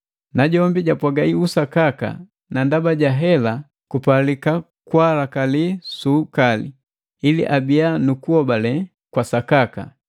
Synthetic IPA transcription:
naɟɔmbiɟapwaɡaiusakaka̰ | nandabaɟaɦɛla | kupalika | kwalakalisukalḭ | ilḭʔabianukuɔbalɛ | kwasakaka̰

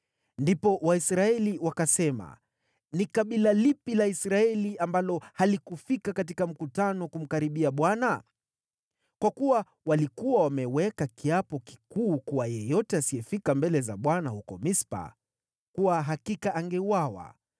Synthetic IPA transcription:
ndipɔwaisɾaɛliwakasɛma̰ | nikaɓilalipilaisɾaɛliambalɔhalikufikakatikam̩kutanɔkum̩kaɾiɓiaɓwana | kwakuwa | walikuwawamɛwɛkakiapɔki̥kuːkuwajɛjɔtɛasiɛfikambɛlɛzaɓwanahukɔmispa̰ | kuwaɦakikaaŋɡɛuwawa̰

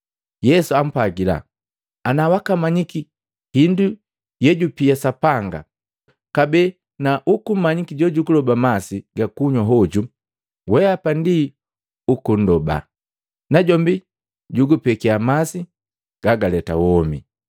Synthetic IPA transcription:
jɛsuam̩paɡila̰ | anawakamaɲiki | hindu | jɛɟupiasapaŋɡa̰ | kabɛ | naʔukum̩maɲikiɟɔɟukulɔbamasiɡakuɲwaɦɔɟu | wɛapandi | ukun̩dɔba̰ | naɟɔmbi | ɟuɡupɛkiamasi | ɡ̥aɡalɛta̰wɔmḭ

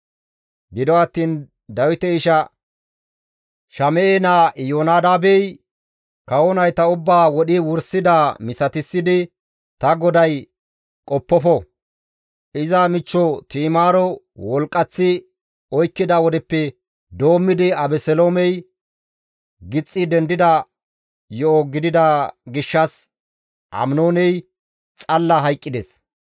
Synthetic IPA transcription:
ɡɪd̪ɔɐt̪ːiːn | d̪ɐwɪt̪ɛɪʃɐ | ʃɐmɛeːnaːjoːnaːd̪aːbɛj | kɐwɔnɐjt̪ɐʊbːaːwɔɗɪwʊɾsɪd̪aːmɪsɐt̪ɪsːɪd̪ɪ | t̪ɐɡɔd̪ɐj | kʼɔpːɔfɔ | ʔɪzɐmɪt͡ʃːɔt̪iːmaːɾɔ | wɔlkʼːɐt͡sːɪ | ɔjkːɪd̪ɐwɔd̪ɛpːɛ | d̪o̞ːmːɪd̪ɪɐbɛsɛloːmɛj | ɡɪt͡sʼːɪd̪ɛnd̪ɪd̪ɐ | jɔɔɡɪd̪ɪd̪ɐɡɪʃːɐs | ʔɐ̰mnoːnɛj | t͡sʼɐlːɐɦɐjkʼːɪd̪ɛs

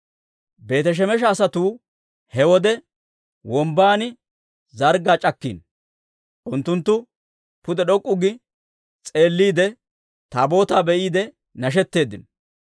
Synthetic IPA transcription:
be̞ːt̪ɛʃ̬ɛmɛʃ̬ɐːsɐt̪uː | hɛwɔd̪ɛ | wɔmbaːnɪ | zɐɾɡaːt͡ʃʼɐkːḭːn | ʔʊnt̪ːʊnt̪ːʊ | pʊd̪ɛɗɔkʼːʊɡɪ | t͡sʼe̞ːlːiːd̪ɛ | t̪aːbo̞ːt̪aːbɛʔiːd̪ɛ | nɐʃ̬ɛt̪ːe̞ːd̪ɪn

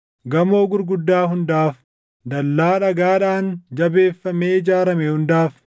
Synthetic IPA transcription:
ɡɐmo̞ːɡʊɾɡʊd̪ːaːɦʊnd̪aːf | d̪ɐlːaːᶑɐɡaːᶑaːnd͡ʒɐbe̞ːfːɐmeːɪd͡ʒaːɾɐmɛhʊnd̪aːf

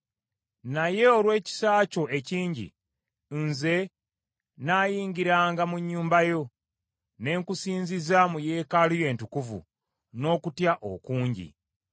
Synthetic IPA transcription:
naje̞olwe̞ːci̥saːco̞ʔe̞ciːɲɟḭ | nze̞ | naːjiːŋɡiɾaːŋɡamuɲːuːmbajo̞ | ne̞ːŋkusiːnzizamuje̞ːkaluje̞ːntukuvṵ | no̞ːkutjaʔo̰kuːɲɟḭ

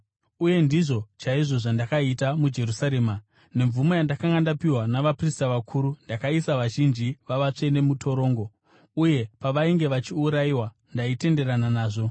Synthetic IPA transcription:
uje̞ndiʐo̞t͡ʃaiʐo̞ʐandakaitamud͡ʒe̞rusaɾe̞ːma | ne̞ɱvumo̞jandakaŋɡandapiwanaʋapristaʋakʰuːɾundakaisaʋaʒind͡ʒiʋaʋat͡ʂe̞ne̞mutʰo̞ɾo̞ːŋɡo̞ | uje̞paʋaiŋɡe̞ʋat͡ʃiuɾaiwa | ndaite̞nde̞ɾananaːʐo̞

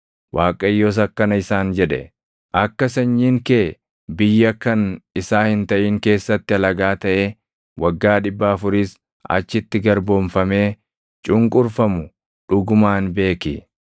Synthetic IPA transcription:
wʔaːkʼɐjːoːs̬ɐkːɐnɐɪsaːnd͡ʒɛᶑɛ̰ | ʔɐkːɐsɐɲːiːŋkeː | bɪjːɐkɐnɪsaːhɪnt̪ɐʔiːŋke̞ːsːɐt̪ːɪɐlɐɡaːt̪ɐʔeː | wɐɡːaːᶑɪbːɐɐfʊɾiːs | ʔɐ̰t͡ʃːɪt̪ːɪɡɐɾboːnfɐme̞ː | t͡ʃʼʊŋkʼʊɾfɐmʊ | ᶑʊɡʊmaːnbe̞ːkɪ

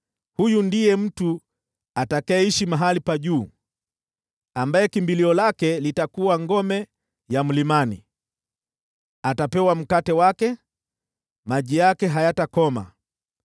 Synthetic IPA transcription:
hujundijɛm̩tu | atakaɛiʃimaɦalipaʄuː | ambajɛkimbiliɔlakɛlitakuwaŋɡɔmɛ | jam̩limanḭ | atapɛwam̩katɛwakɛ | maʄijakɛɦajatakɔma̰

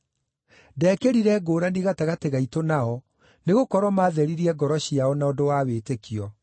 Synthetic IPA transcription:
dɛːkeɾiɾɛɡoːɾaniɣataɣateɣaitonaɔ | neɣokɔɾwɔmaːðɛɾiɾiɛɡɔɾɔɕiaɔnaodowaːwetekijɔ

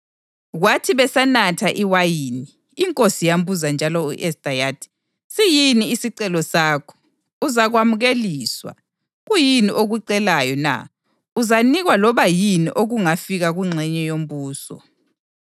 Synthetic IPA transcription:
ɣwatʰiβɛsanatʰaʔiwajiːniː | ŋkʼosijambuzand͡ʒʱalɔuʔɛsdʼajatʰi̥ | sijiniːsiǀɛlɔsaːkʰɔ̥ | uzaɣwamuɣeliːswa̰ | ɣujiniʔoɣuǀɛlajɔna̰ | uzaniɣwalɔβajiniʔoɣuŋafiɣaɣuŋ͡ǀʱɛɲɛjom̩buːsɔ̰

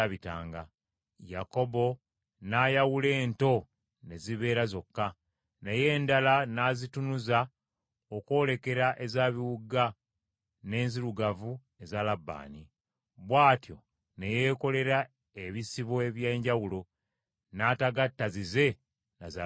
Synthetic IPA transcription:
aβita̰ːŋɡa | jako̞bo̞ | naːjawule̞ːnto̞ | ne̞ziβe̞ːɾazo̞kːa | neje̞ːndalanazitunuza | oko̞ːle̞ke̞ɾaʔe̞zaːβiwuɡa | ne̞ːnziɾuɡavu | e̞zalabːa̰ːni | βwaːtjo̞̰ | ne̞je̞ːko̞le̞ɾa | eβisiβoe̞βje̞ːɲɟawulo̞ | nataɡatːazize̞ | naza

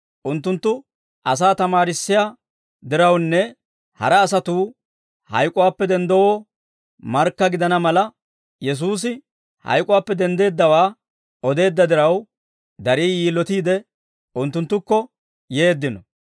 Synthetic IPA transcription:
ʔʊnt̪ːʊnt̪ːʊ | ʔɐs̬aːt̪ɐmaːɾɪsːɪjaː | d̪ɪɾɐwnːɛ | hɐ̰ɾɛːsɐt̪uː | hɐ̰jkʼʊwaːpːɛd̪ɛnd̪ɔwɔː | mɐɾkːɐɡɪd̪ɐnɐmɐlɐ | jɛs̬uːs̬ɪ | hɐ̰jkʼʊwaːpːɛd̪ɛnd̪e̞ːd̪ːɐwaː | ɔd̪e̞ːd̪ːɐd̪ɪɾɐw | d̪ɐɾiːjiːlːɔt̪iːd̪ɛ | ʊnt̪ːʊnt̪ːʊkːɔ | je̞ːd̪ːɪnɔ

